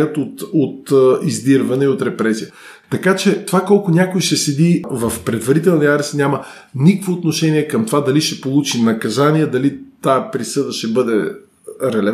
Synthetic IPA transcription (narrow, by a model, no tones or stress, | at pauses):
ət̪ot̪ot̪izd̪iɾvɐnɛiot̪ɾɛpɾɛsijə | t̪ɐkat͡ʃɛt̪ovakɔlˠkʊnʲakojʃɛsɛd̪ivɐfpɾɛd̪vɐɾit̪ɛlˠniaɾɛst̪nʲamə | nikəkvoːt̪noʃɛniɛkɐmt̪ovad̪ɐliʃɛpolˠut͡ʃinɐkɐzaniɛd̪ɐlit̪aɛpɾisɤd̪əʃt̪ɛbɤd̪ɛ | ɾɛlɛ